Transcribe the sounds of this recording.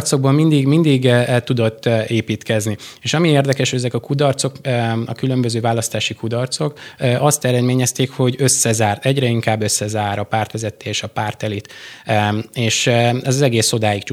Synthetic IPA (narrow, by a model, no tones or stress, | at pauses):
rt̪so̞ɡ̚bɒmmind̪iɡmind̪iɡt̪ːud̪o̞t̪ːeːpiːt̪kɛznieːʃɒmieːrd̪ɛkɛʃɛzɛkɒkud̪ɒrt̪so̞kɒ̰kylø̞mbøzøːvaːlɒst̪aːʃikud̪ɒrt̪so̞kːʔɒst̪ɛɾɛd̪meːɲɛst̪eːkho̞ɟø̞sːɛzaːrt̪ɛɟɾɛiŋkaːbːøsːɛzaːɾɒpaːrt̪ʋɛzɛt̪ːeːʃɒpaːrt̪ɛlit̪ | eːʃɛzɒzɛɡeːso̞d̪aːjikt͡ʃu